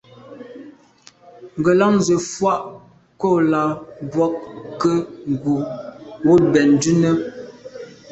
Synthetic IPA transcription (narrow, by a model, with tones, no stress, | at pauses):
ŋ̩˨ɡə˨la˦ŋnzə˨fwa˦ʔ | ko˦˨la˨bwɔ˦k̚kːə˦ŋ˨ɡu˨wo˦t̚bɛ˨n˨dʉ˦nə˦